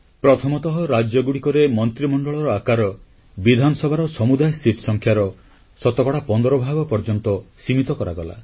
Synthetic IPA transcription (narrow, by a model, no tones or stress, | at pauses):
pɾɔt̪ʰɔmɔt̪ɔɦɔɾad͡ʒjɔɡuɽikɔɾemɔnt̪ɾimɔɳɖɔɭɔɾɔakaɾɔ | bid̪ʱanɔsɔbʱaɾɔsɔmud̪ajsiʈsɔŋkʰjaɾɔ | sɔt̪ɔkɔɽapɔnd̪ɔɾɔbʱaɡɔpɔɾd͡ʒɔnt̪ɔsimit̪ɔkɔɾa̰ɡɔla̰